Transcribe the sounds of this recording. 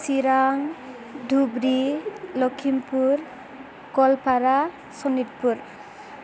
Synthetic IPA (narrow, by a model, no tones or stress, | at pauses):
siɾaŋ | dʱubɾilɔkʰimpuɾ | kɔlpʰaɾa | sɔnit̚puɾ